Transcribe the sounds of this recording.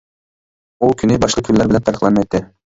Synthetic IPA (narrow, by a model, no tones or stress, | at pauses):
ulˠkʲʰynɘbɑʃlˠɤkʰynlːæɾbɪlʲænt̪ʰɑɾiqlˠɑnɤmajt̪ːɪ